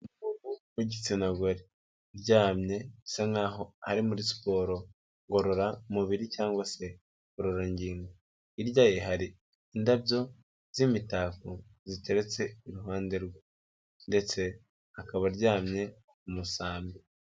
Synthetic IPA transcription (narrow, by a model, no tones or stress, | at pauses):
nuuβumuɟit͡sinaɡoɾi | ɾɟaːmɲe̞isaŋaːɦo̞haɾimuɾisi̥po̞ːɾo̞ | ŋɡo̞ɾo̞ɾaumuβiɾicaːŋɡwase̞ | ɡoɾo̞ɾaɲɟiːŋɡo | iɾɟaːjeɦaɾiː | ndabɟo̞ | z̥imitaːko | zite̞ɾe̞t͡se̞iɾuɦaːnde̞ɾɡwa | nde̞t͡se̞ | akaβaɾɟaːmɲe̞ | umusaːmi